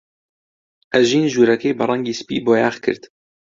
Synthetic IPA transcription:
ʔɛʒiːnʒuːɾɛkeːbɨrˤɛŋɡiːspḭːboːjaːχkʰɨ̰ɾt̪

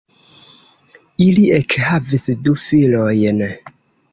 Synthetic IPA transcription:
iliekhavisdufilojn

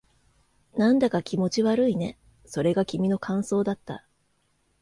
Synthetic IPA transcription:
nãnd̪akakʲimo̞t͡ɕiβaɾɯ̟ine̞ | so̞ɾe̞ɡakʲimʲino̞kãɰ̃so̞ːd̪at̪ːa̰

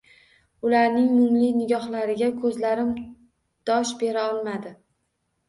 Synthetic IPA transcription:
ʊlaɾnɪŋmʊmlɪnɪɡʲɒhlaɾɪɡʲakʰɵzlaɾɪm | d̪̥ɒʃbe̞ɾaɒlˠmad̪ɪ

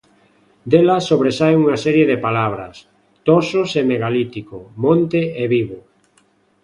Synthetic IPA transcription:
d̪elasoβɾesaeuŋasɛɾjeðepalaβ̞ɾas | t̪ososemeɣalit̪ikomõnt̪eeβiβo

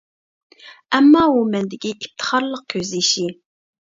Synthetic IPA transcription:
ɛmːɑːumɛnd̪ɪkʲiʔip̚t̪ʰə̥χɑɾlˠəq̚kʲʰøzlɪʃi

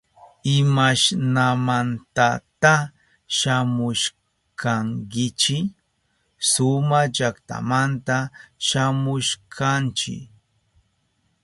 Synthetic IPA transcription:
ɪmaʃnamant̪at̪a | ʃamʊʃ | kʰaŋkɪt͡ʃɪ | sʊmad͡ʒakt̪a̰mant̪aʃamʊʃkʰant͡ʃɪ̰k

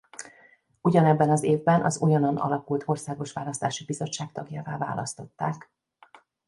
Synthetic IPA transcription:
uɟɒnɛbːɛnɒzeːvbɛnʔɒ̰zujɒnonɒ̰lɒkult̪ʰo̞rsaːɡo̞ʃʋaːlɒst̪aːʃibizo̞t͡ʃːaːkt̪ɒɡjaːvaːva̰ːlɒst̪o̞t̪ːaːk

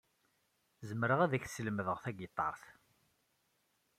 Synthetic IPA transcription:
zəmɾəʁæðæçθsələməðəʁθæɡət̪ˤːɑ̰ɾˤθ

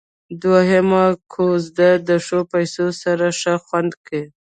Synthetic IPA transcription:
d̪waɦamakʰozd̪ad̪əʂopajsosaɾaʂaxwand̪ke

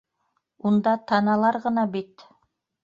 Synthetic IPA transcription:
und̪ɑt̪ʰɑnɑlˠɑɾʁɤ̆nɑbit̪

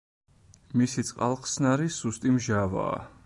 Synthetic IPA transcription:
misit̪sʼqʼalˠχʼsnaɾisust̪ʼimʒava̰ː

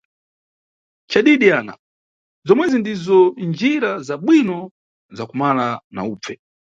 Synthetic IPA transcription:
t͡ʃaɗiɗiaːna̰ | zɔmwɛzindizɔnd͡ʒiɾazaɓwinɔ | zakumalana̰uːpp͡fɛ

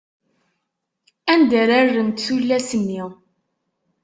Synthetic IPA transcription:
ænd̪æɾarːənt̪θulːæsənːi

